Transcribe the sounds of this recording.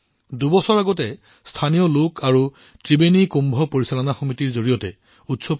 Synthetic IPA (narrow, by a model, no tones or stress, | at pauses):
dubɔsɔɹaɡɔtɛ | stʰanijɔlokʰaɹu | tɹibenikumbʱɔpoɹisalɔnaxomitiɹzoɹijɔtɛ̰ | utsɔp